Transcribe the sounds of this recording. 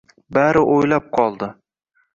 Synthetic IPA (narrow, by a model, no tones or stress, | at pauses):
baɾɪʔojlap̚qʰɒlˠd̪ɪ